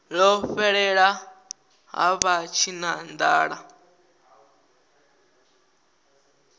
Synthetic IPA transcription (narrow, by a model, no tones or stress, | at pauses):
ɺɔɸɛɺɛɺa | ɦa̰βat͡ʃʰinand̪aːɺa